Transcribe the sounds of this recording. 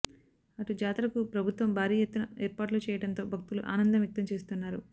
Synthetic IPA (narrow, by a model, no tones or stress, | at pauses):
ɐʈud͡ʒaːt̪ɐlɐkupɾɐbʱut̪ʋɐmbʱaːɾiːjɐt̪ːunɐeːɾpaːʈlut͡ʃɛːjɐɽɐnt̪o̞ːbʱɐk̚t̪uluʔa̰ːnɐnd̪ɐmjɐk̚t̪ɐmt͡ʃe̞ːst̪unːaːɾu